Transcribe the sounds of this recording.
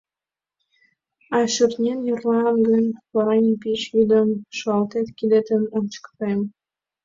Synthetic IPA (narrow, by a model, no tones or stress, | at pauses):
ɑʃyrnʲenjirlɑnɡənʲpɑɾɑjnʲpit͡ɕjyd̪ə̆mʃoɑlt̪et̪kid̪et̪ənolt͡ɕkt̪em